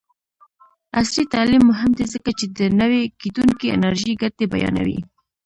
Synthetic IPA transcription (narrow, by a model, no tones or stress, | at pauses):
aslit̪ɑlimːʊɦɪmd̪ezəkat͡ʃed̪ənəwekit̪uŋkiɪ̰naɾʒiɡat̪̚d̪ebajɑ̰na̰wḭ